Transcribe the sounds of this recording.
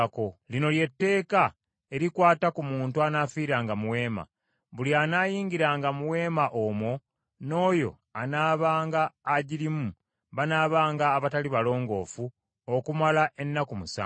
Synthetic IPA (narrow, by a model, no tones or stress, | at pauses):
ko̞lino̞lje̞tːe̞ːka | e̞ɾikwaːtakumuːntuanaːfiːɾaːŋɡamuwe̞ːma̰ | βulianaːjiːŋɡiɾaːŋɡamuwe̞ːmaʔomwo̞ | no̞ːjo̞̰ | anaːβaːŋɡaːɟiɾimu | βanaːβaːŋɡaːβataliβalo̞ːŋɡo̞̰ːfu | okumalaʔe̞nːakumusa̰ː